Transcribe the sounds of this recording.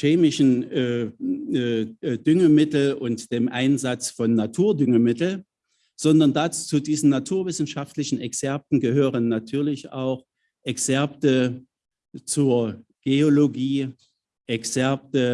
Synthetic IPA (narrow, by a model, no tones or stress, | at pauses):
ʃeːmɪʃn̩ː | dʏŋəmɪtl̩ʔʊntd̥eːmʔaɪnzat͡sfɔnːatʰuːɐdʏŋəmɪtl̩ | z̥ɔndɐndaːt͡st͡sudiːzn̩natʰuːɐvɪsn̩ʃaftlɪçn̩ʔɛksɛɐp̚tn̩ɡəɦøːʁənːatʰyːɐlɪça̰ʊx | ʔɛksɛɐp̚tə | t͡suɐ | ɡ̥eoloɡiː | ʔɛksɛɐp̚tə